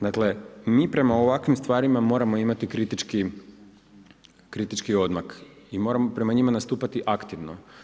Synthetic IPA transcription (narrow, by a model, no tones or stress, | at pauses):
d̪akle̞miːpɾe̞maoʋakʋimst̪ʋaːɾimamo̞ːɾamo̞imat̪ikɾit̪it͡ʃki | kɾit̪it͡ʃkio̞d̪makimo̞ːɾamo̞pɾe̞maɲimanast̪uːpat̪iʔakt̪iʋno̞̰